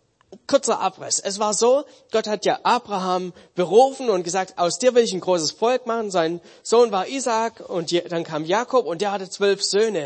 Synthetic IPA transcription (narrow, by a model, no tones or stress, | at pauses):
kʰʊɐt͡sɐʔa̰pʁɪ̰sʔɛsv̥aːɐzoː | ɡ̥ɔthatjaːʔaːbʁaɦaːmb̥əʁuːfn̩ʊnt̚ɡ̥əzaːk̚tʔaʊsd̥iːɐvɪlɪçanɡʁoːsəsfɔlkmaχn̩zaɪn | z̥oːnvaːɐʔiːzaːkʊntjd̥ankʰaːmjaːkʰɔpʊntd̥eːɐhatət͡sv̥œlfz̥øːnə